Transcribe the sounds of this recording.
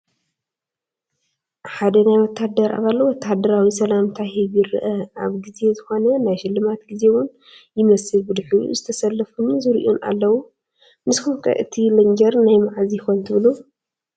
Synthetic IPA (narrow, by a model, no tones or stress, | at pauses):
ħad̪ɐnajwɔt̪ʰːad̪ɐɾa̰βalːowɔt̪ʰːad̪ɐɾawisɐlamt̪ʰahiβjɪɾɨ̰ʔɐaβɡize̞zɨxo̞nɐnajʃɪlːɨmat̪ɡize̞wʊn | jɪmɐsɨlbɨd̪ħuṵzɨt̪ʰɐsɐlːɐfunzɨɾʔonʔa̰lːɐwu | mɨskɨfkʰʼɐ̰ʔɨt̪ʰilɐŋd͡ʒɐɾnajmaʕzijɪxont̪ʰɨβɨlu